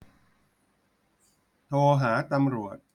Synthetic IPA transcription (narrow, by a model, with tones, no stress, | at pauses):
t̪ʰoː˧ɦaː˩˦t̪a˧mɾu˨˩ət̪̚